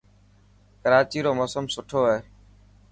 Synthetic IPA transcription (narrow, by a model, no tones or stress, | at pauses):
kəɾaːt͡ʃiːɾoːmoːsəmsʊʈʰoːɦeː